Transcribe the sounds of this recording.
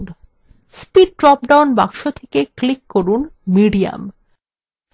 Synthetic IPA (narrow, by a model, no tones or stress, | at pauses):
spiɖʈɾɔp̚ɖawnbakʃot̪ʰekeklikːoɾunmiɖia̰m